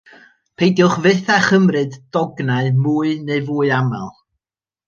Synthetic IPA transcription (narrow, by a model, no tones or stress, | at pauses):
pʰejdjʊχvɨθaχəmrɨddɔɡnaɨmuːɨneɨvuːɨama̰lˠ